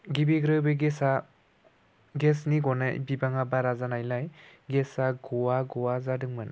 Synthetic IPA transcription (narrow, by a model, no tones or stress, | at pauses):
ɡibiɡɾɯbeɡesa | ɡesniɡɔna̰jbibaŋabaɾazanajlajɡesaɡɔwaɡɔwazadɯŋmɯn